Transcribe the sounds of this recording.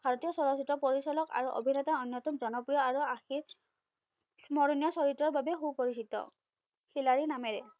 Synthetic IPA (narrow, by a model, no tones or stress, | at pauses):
bʱaɹɔtijɔsɔlɔsitɔpoɹisɔlɔka̰ɹuʔo̰bʱinɔtaɔnjɔtɔmzɔnɔpɹijɔaɹuaxiɹ | mɔɹunijasɔɹitɹɔɹbabɛxupoɹisitɔ̰ | xilaɹinamɛɹɛ